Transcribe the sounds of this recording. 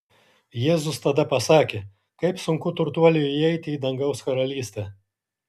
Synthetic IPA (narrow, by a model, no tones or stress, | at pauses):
jeːzʊst̪ɐd̪ɐpɐsɑːkʲeː | kɐɪpsʊŋkʊt̪ʊɾt̪uɔlʲʊɪɛɪt̪ʲɪiːd̪ɐŋɡɐʊskɐɾɐlʲiːsʲt̪ʲɛː